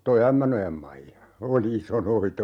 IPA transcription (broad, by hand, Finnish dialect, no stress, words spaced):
toi æmːænojɑm mɑijɑ oli iso noit